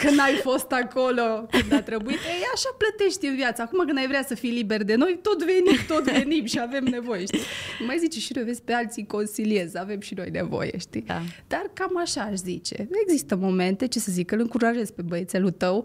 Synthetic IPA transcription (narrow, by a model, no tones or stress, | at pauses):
kɨnajfo̞st̪ako̞lokɨnd̪t̪ɾebuit̪eaʃaplət̪e̞ʃt̪iɨnvjat̪sakumakɨnajvɾʲasəfijliberd̪e̞no̞jt̪o̞t̪ve̞nimt̪o̞t̪ve̞nimʃiave̞mne̞vo̞jeʃt̪imajzit͡ʃeʃino̞jvesʲpealt̪siko̞nsilie̞zave̞mʃino̞jne̞̰vo̰jḛʃt̪id̪̥arkamaʃaːʃzit͡ʃe̞̰e̞ɡzist̪əmo̞me̞nt̪e̞t͡ʃe̞səzikɨlɨŋkuɾaʒe̞z̥pebəet̪selut̪əw